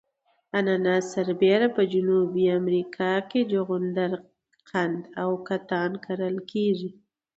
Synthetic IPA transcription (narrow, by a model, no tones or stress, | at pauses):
ananɑsaɾbeɾapəd͡ʒʊnubiamɾikʰɑked͡ʒʊɣʊnd̪aɾ | qand̪awkat̪ɑnkʰaɾəlkʰeʒi